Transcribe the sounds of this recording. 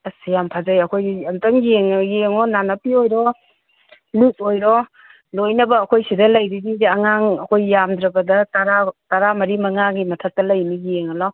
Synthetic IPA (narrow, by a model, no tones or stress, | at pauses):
ɐsijampʰazajɐkʰojamtaŋɡieŋjeŋɔnanɐpiojɾɔ | lut̚ojɾɔ | lojnɐbɐːkʰojsidɐlajdididaŋaŋɐkʰojjamd̪ɾɐbɐdɐtaɾataɾamɐɾimɐŋaɡimɐtʰak̚tɐlajniɡijeŋalaw